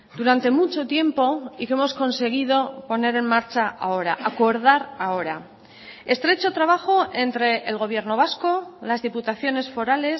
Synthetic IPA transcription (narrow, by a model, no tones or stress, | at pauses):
d̪uɾant̪e̞mut͡ʃo̞t̪je̞mpo̞ike̞mo̞sko̞nse̞ɣ̞ið̞o̞po̞ne̞ɾe̞nmaɾt͡ʃaao̞ɾaʔako̞ɾð̞aɾao̞ɾa | e̞st̪ɾe̞t͡ʃo̞t̪ɾaβ̞axo̞e̞nt̪ɾe̞ʔːlɣo̞β̞je̞ɾno̞β̞asko̞lazðiput̪aθjo̞ne̞sfo̞ɾale̞s